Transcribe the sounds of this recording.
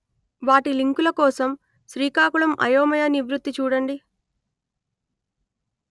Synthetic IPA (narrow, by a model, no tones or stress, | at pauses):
ʋaːʈiliŋkulɐkɔːsɐm | ʃɾiːkaːkuɭɐmʔɐ̰joːmɐjɐniʋɾut̪ːit͡ʃuːɽɐɳɖi